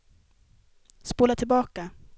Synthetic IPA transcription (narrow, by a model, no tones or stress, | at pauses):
spoːlat̪ʰɪlbɑːka